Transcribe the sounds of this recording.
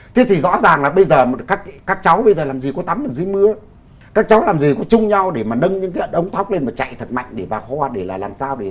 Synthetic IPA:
t̪ʰe˨˦t̪ʰi˨˩zɔ̰˧˥zaː˨˩ŋlaː˨˩ɓə˧jzəː˨˩˨kaː˦˥k̚kaː˦˥k̚t͡ɕa˨˦wɓə˧jzəː˨˩laː˨˩mzi˨˩kɔ˨˦t̪a˨˦mmaː˨˩zɨ˨˦jmɨ˧ə | kaː˦˥k̚t͡ɕa˨˦wlaː˨˩mzi˨˩kɔ˨˦t͡ɕʊ˧ŋ͡mɲa˧wɗe˧˩maː˨˩ɗə˧nɲɨ̰˧˥ŋkaː˨˦ə˧˩nʔə˨˦wŋ͡mt̪ʰa˦˥wk͡p̚le˧nmaː˨˩t͡ɕa̰˧˨jt̪ʰə˨˩t̚ma̰˧˨jŋ̟ɗe˧˩vaː˨˩wxhɔː˧ɗe˧˩laː˨˩laː˨˩msaː˧wɗe˧˩

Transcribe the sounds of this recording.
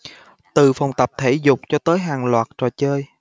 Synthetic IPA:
t̪ɨ˨fa˨˩wŋ͡mt̪ə˨˩p̚t̪ʰe˧˩zʊ˨˩k͡p̚t͡ɕɔ˧t̪əː˨˦jɦaː˨˩ŋlwaː˨˩t̚t͡ɕɔ˨˩t͡ɕəː˧j

